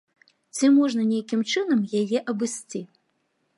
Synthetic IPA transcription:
t͡sʲimɔʐnɐnʲejakʲimt͡ʂɨnɐmjajɛʔɐbɨsʲt͡sʲi

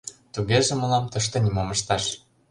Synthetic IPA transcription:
t̪uɣeʒĕmɤ̆lˠɑmt̪ɤ̆ʃ̬t̪ɤ̆nʲimomɤ̆ʃt̪ɑʃ

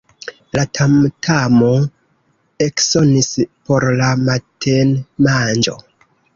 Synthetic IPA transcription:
latʰamtʰamo | e̞kso̞nispo̞ɾlamatʰenmand͡ʒo̞̰

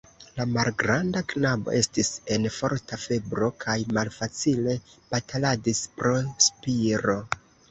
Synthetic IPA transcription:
lamalɡɾandaknabo̞̰ʔe̞stise̞nfo̞ɾtafe̞bɾo̞kʰajmalfat͡sile̞b̥ataladispɾospiɾo̞

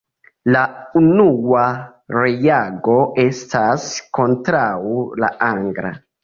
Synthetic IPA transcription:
launuaɾejaɡo̞e̞stʰasko̞ntɾawula̰aŋɡɾa̰

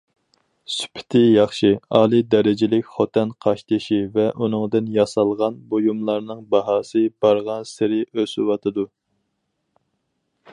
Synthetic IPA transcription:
sy̥pʰɪ̥t̪ʰɪjɑχʃiɑːlˠid̪ɛɾɪd͡ʒɪlɪkʲχot̪ʰɛnqʰɑʃt̪ʰɨʃivɛʔunɨŋd̪ɨnjɑsɑlˠʁɑnbojumlˠɑɾnɨŋbɑɦɑːsɨb̥ɑɾʁɑnsɪɾɪøswɑt̪ʰɨd̪u

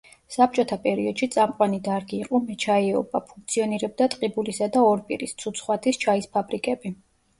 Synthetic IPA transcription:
sap̚t͡ʃʼɔt̪ʰapʼɛɾiɔd̪̥ʃit̪sʼamqʼwanid̪aɾɡiːqʼɔmɛt͡ʃʰaiɛɔ̰bapʰuŋk̚t̪sʰiɔniɾɛb̚d̪at̪ʼqʼibulisad̪aɔɾpʼḭɾist̪sʰut̪sʰχwat̪ʰist͡ʃʰaispʰabɾikʼɛbi

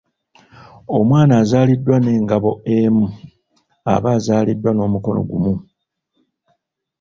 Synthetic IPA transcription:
o̞mwaːnaːzaːlidːwane̞ːŋɡaβo̞emu | a̰βaːzaːlidːwano̞ːmuko̞no̞̰ɡumu

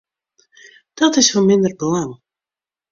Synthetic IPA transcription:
d̪̥ɔt̪ɪsvɔmɪnd̪ərblˠam

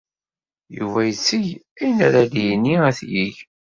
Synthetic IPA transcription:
jṵvæjət͡sːiʝinæɾælijnːiæθjiʝ

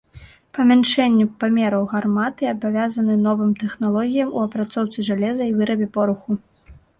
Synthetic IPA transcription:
pɐmʲanʂɛnʲːupamʲɛɾɐwɣarmat̪ɨabavʲazɐnɨnɔvɨmt̪ɛxnalˠɔɣʲijɐmuɐpɾat̪sɔwt̪sɨʐalʲɛzɐivɨɾɐbʲɛpɔɾuxu

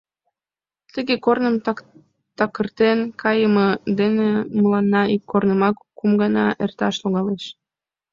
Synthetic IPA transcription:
t̪əɣekornəm | t̪ɑkərt̪enkʰɑjəməd̪eneməlɑnːɑikːornəmɑkːumɡɑnɑʔert̪ɑʃloɣɑleʃ

